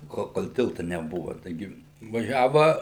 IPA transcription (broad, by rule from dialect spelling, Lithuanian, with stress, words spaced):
ˈkoːlˠ koːlˠ ˈtʲɪlˠtɐ nʲɛˈbʊʋɐ tɐɪˈɡʲɪ ʋɐˈʒʲæːʋɐ